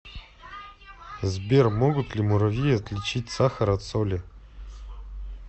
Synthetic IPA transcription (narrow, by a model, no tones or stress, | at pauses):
zbʲermoɡʊt̪lʲimʊɾɐvʲijɐt̪lʲɪt͡ɕit̚ʲsaxəɾɐt̪solʲɪ